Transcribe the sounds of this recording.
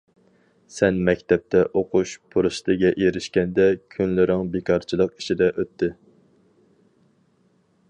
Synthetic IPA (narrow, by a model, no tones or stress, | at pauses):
sɛnmɛkʲt̪ʰɛp̚t̪ʰɛʔoqʰuʃpʰuɾɨʃt̪ɨɡʲɛʔeɾɪʃkʲɛnd̪ɛkʲʰynlɪɾɪŋbekʰɑɾt͡ʃʰilˠəqi̥ʃid̪ɛʔøt̪ʰːɪ